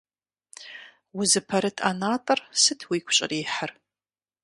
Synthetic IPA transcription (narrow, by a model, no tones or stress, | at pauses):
wʊzɨpʰɐɾɨtʰa̰naːtʼɐrsɨtʰwiːkʷʰʊɕʼɪ̰riːħər